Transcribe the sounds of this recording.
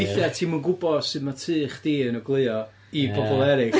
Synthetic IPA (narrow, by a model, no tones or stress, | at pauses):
ɪdɛtʰiːmənɡʊbɔdsɨðmatʰɨːχd̥iːənəɡlˠɨɔ | ibɔbɔlˠɛɾɪk